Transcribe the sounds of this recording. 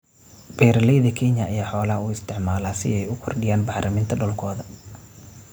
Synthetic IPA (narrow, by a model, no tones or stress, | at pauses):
b̥ɛːɾɐlɛjðɐkʰɛnjɐʔːjaːħɔːlɐhɐuːɪst̪ʰɪʕmaːlaːsɪ̰ɛjʊkʰɔrɖɪjaːnbɑħlʔɐmɪnt̪ʰɐɖɔlkʰɔːðɐ